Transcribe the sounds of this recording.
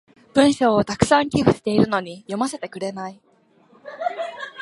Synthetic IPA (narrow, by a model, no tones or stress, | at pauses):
b̥ɯ̟̃ɰ̃ɕo̞ːt̪akɯ̟̥sãŋkʲiɸɯ̟ɕi̥t̪e̞iɾɯ̟no̞ɲ̟ijo̞mase̞t̪e̞kɯ̟ɾe̞nai